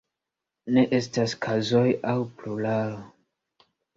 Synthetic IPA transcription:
ne̞ʔe̞staskʰazojawplulaɾ

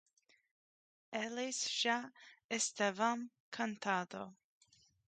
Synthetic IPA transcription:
ɛlisʃaɛst̪ɛvam | kʰant̪ʰad̪o

